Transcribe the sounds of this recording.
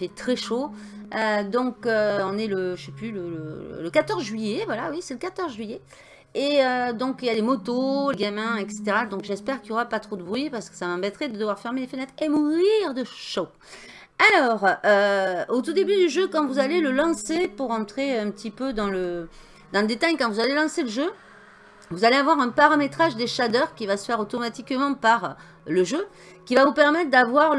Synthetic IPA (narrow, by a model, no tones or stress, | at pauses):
fɛt̪χɛʃo | ød̪ɔ̃køɔ̃nɛləʒəsɛplylələ̰ləkat̪ɔʁzʒɥijevwalawisɛləkat̪ɔʁzʒɥije | eød̪ɔ̃kijalemɔt̪oleɡamɛ̃ɛkse̥t̪eʁad̪ɔ̃kʒɛspɛʁkʲiljoʁapat̪χod̪əbʁɥpaʁsə̥kə̥samɑ̃bɛt̪χɛd̪əd̪əvwaʁfɛʁmelefənɛt̪χemuʁiʁd̪əʃo | alɔʁøot̪ud̪ebyd̪yʒøkɑ̃vuzaleləlɑ̃sepuʁɑ̃t̪χeɛ̃pət̪ʰipød̪ɑ̃lə | d̪ɑ̃ləd̪et̪ajkɑ̃vuzalelɑ̃seləʒø | vuzaleavwaʁɛ̃paʁamet̪χaʒd̪eʃad̪œʁkʲivasə̥fɛʁot̪ɔmat̪ikmɑ̃paʁ | ləʒø | kʲivavupɛʁmɛt̪χd̪avwaʁ